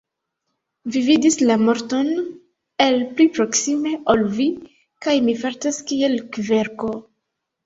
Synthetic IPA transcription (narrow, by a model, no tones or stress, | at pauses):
vividislamo̞ɾto̞n | e̞lplipɾo̞ksime̞olvi | kajmifaɾtaskie̞lkve̞ɾko̞